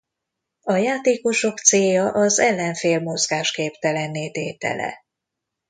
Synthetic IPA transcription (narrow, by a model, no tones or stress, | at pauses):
ɒjaːt̪eːko̞ʃo̞kt̪seːjɒʔɒzɛlːɛɱfeːlmo̞zɡaːʃkeːpt̪ɛlɛnːeːt̪eːt̪ɛ̰lɛ̰